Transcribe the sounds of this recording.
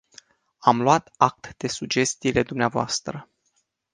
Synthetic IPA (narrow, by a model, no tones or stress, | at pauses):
amluwat̪ak̚t̪d̪̥e̞sud͡ʒe̞st̪iːle̞d̪umneavoa̰st̪ɾə